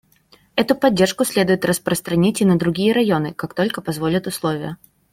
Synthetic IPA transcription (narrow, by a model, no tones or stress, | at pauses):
ɛt̪ʊpɐdʲːe̞rʂkʊsʲlʲe̞d̪ʊjɪt̪rəspɾəst̪ɾɐnʲitʲɪnəd̪ɾʊɡʲijəɾɐjo̞nɨkakt̪o̞lʲkəpɐzvo̞lʲət̪ʊslˠo̞vʲɪjə